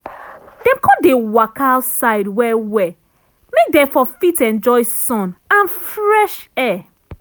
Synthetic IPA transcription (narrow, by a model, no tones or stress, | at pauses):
d̥ɛ̃mkʰɔ̃dewakaʊtsaɪdwɛwɛ | mek̚dɛ̃fɔfitɛ̃nd͡ʒɔɪsɔ̃nãnfɹɛʃɛ